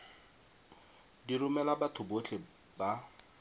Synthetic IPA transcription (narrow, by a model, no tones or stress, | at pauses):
dirʊmɛlabatʰʊbot͡ɬʰe | ba